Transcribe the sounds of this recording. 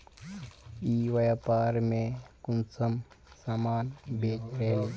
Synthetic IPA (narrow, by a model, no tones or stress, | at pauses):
iʋɐjapaːɾmẽkunt͡səm | samaːnbeːtɾeɦli